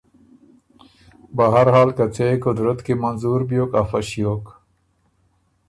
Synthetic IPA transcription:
bɐɦaɾɦaːlkɐt͡sekʊd̪ɾət̪kimɐnzuːɾbjoːkafɐɕjoːk

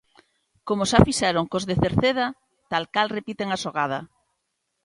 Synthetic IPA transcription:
komosafiʃɛɾoŋkozðeθeɾθeð̞a | t̪alkalrepit̪eŋasoɣ̞að̞a̰

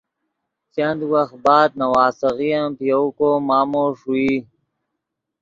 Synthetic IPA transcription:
t͡ɕɐnd̪wɐx̚baːd̪̚nɐwaːsɐɣijãpijowkoːmaːmoːʂuiː

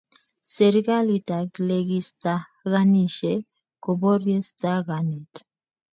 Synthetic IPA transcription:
seɾɡalit̪akleɡist̪aɣaniʃe | koboɾjest̪aɣanit

